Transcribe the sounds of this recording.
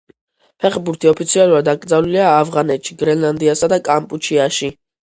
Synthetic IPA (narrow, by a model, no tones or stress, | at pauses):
pʰɛχbuɾt̪ʰiɔpʰit̪sʰialˠuɾad̪akʼɾd̪zavliliaːvʁanɛt̪ʃiɡɾɛnlˠand̪iasad̪akʼampʼut͡ʃʰiaʃi